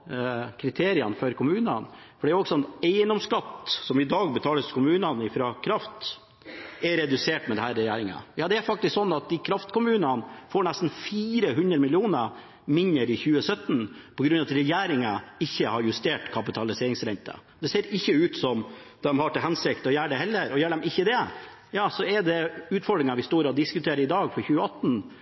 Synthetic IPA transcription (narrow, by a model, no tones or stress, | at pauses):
kʰɾɪt̪ʰeːɾɪənfɔɾkʰʊmʉːnənfɔɖɛæɾɔɡsɔnɛɪnɔmskɑt̪sɔmɪd̪ɑːɡbət̪ʰɑːləskʊmʉːnənɪfɾɑkʰɾɑft̪ | ɛɾɛd̪ʉseːʈmɛd̪ɛhæːɾːɛjæːɾɪŋə̰jɑːd̪ɛæɾfɑk̚t̪ɪsksɔnːɑt̪̚d̪ɪkʰɾɑft̪kʊmʉːnənfoːɳæst̪n̩fiːɾəɦʉnd̪ɾəmɪlɪuːnə | mɪnəɾɪçʉːəsœt̪npʰɔɡɾʉnːɑt̪ɾɛjæːɾɪŋɑɪçːəhɑɾjʉst̪eːʈkʰɑpɪt̪ʰɑlɪseːɾɪŋsɾɛnt̪ʰə̰ | d̪ɛseːɾɪçːəʉːt̪sɔm | d̪ɛmhɑʈɪɦɛnsɪk̚t̪ɔjæːɖɛhɛlːəɾɔjæːəɖ̪ɛmɪçːəd̪ɛ | jɑːsɔɛɖɛʉːt̪fɔɖɾɪŋɑʋɪst̪uːɾɑd̪ɪskʉt̪ʰeːɾəɾɪd̪ɑːɡfɔɾçʉːəɑt̪ːn